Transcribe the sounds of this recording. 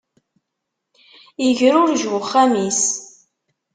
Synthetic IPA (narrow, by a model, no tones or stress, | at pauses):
əʝəɾʊɾʒwʊχːæmis